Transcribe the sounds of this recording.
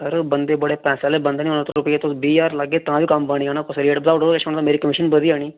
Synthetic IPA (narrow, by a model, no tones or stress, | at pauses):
əɾbənd̪eːbəɽeːpɛ̃ːselebə̃nd̪eːnĩʊnət̪ɾʊpəjeːt̪osbiːjaːɾlaɡeːt̪ɐãbiːkɐmbaɽ̃iɦãːñapəsɾɪeːʈbəd̪aːɖəleʃəɳ̃t̪ːmeːɾikəmɪʃənbəd̪iːaːɽ̃iː